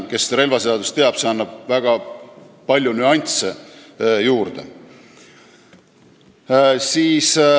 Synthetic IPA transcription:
ke̞sɾe̞lvɑse̞ɑd̪ust̪eɑb̥se̞ɑnːɑb̥̚væɡ̥ɑ | pɑlʲjunyɑnʲt̪se | juːrd̪̥e̞̰ | siːs

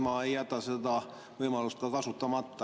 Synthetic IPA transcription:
mɑejːæt̪ːˑɑsed̪ɑ | vɤjmɑlust̪̚kɑkɑsut̪ːˑɑmɑt̪ːɑ

